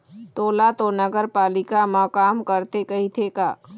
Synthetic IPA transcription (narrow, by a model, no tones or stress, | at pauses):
t̪oːlat̪onəɡəɾpaːlɪkamaːkaːmkəɾt̪ekɐɦit̪ʰeka̰ː